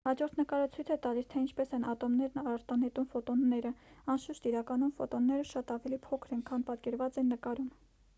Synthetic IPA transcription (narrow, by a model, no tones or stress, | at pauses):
hɑd͡ʒɔɾt̪ʰnəkɑɾət͡sʰujt͡sʰɛt̪ɑlist̪ʰɛint͡ʃʰpɛsɛnɑt̪ɔmnɛɾnɑɑɾt̪ɑnɛt̪umfɔt̪ɔnːɛɾəɑnʃuʃt̪iɾɑkɑnumfɔt̪ɔnːɛɾəʃɑt̪ɑvɛlipʰɔkʰɾɛŋkʰɑnpɑt̪kɛɾvɑt͡sɛnːəkɑɾum